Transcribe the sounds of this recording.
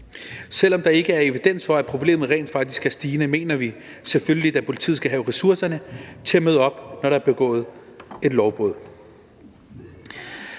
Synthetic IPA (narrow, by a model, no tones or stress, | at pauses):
sel̰ɒ̽md̥ɑ̈e̝ɡ̥əæɐe̝ʋid̥en̰sfɒ̽æpʰʁo̝b̥le̝̰ːmð̩ˠʁɛ̰nd̥fɑ̈ɡ̥̚d̥isɡ̥æɐsd̥iːnəme̝̰ːnɐʋi | selføljlid̥æpʰo̝lit͡sʰḭð̩ˠɡ̥æɦɛʊʁɛsuɐsɐnət͡sʰe̝æmøð̞ˠəɒ̽b̥nɒɾɑæɐb̥e̝ɡ̥ɔ̰̽ːð̞̩ˠe̝d̥lɒʊb̥ʁɔ̰ðˠ